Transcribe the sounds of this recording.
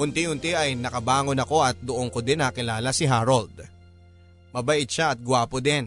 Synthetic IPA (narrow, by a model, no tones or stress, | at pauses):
ʔʊnt̪ɪhʊnt̪ɪʔɐjnɐkɐbaːŋonɐko̞ʔɐt̪̚d̪ʊʔoŋkod̪ɛnɐkɪlaːlɐsɪɦaːɾold̪̚ | mɐbɐʔɪd̪̚ʃaʔɐt̪̚ɡʊwaːpod̪ɛn